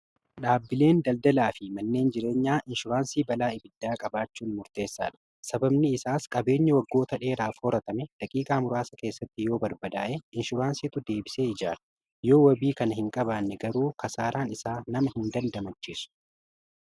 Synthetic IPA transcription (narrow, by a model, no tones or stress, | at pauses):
ɗaːbːɪle̞ːnd̪ɐld̪ɐlaːfɪmɐnːe̞ːnd͡ʒɪɾe̞ːɲːaːʔɪnʃʊɾaːnsiːbɐlaːɪbɪd̪̥ːaːkʼɐbaːt͡ʃːuːnmʊɾt̪e̞ːsːa̰ːᶑɐ̥ | sɐbɐbnɪɪsaːskʼɐbe̞ːɲːɐwɐɡːo̞ːt̪ɐᶑe̞ːɾaːfhoːɾɐt̪ɐmɛd̪̥ɐkʼiːkʼaːmʊɾaːsɐke̞ːsːɐt̪ːɪjo̞ːbɐɾbɐd̪aːʔeɪnʃʊɾaːnsiːt̪ʊd̪e̞ːbɪseːɪd͡ʒaːlɐ̥ | jo̞ːwɐbiːkɐnɐhɪŋkʼɐβaːnːɛɡɐɾuːkʰɐsaːɾaːnɪsaːnɐmɐhɪnd̪ɐnd̪ɐmɐt͡ʃːisʊ̥